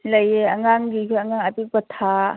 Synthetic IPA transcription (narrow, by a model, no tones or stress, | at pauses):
ləjeaŋaŋɡikaŋaŋapik̚bɐtʰa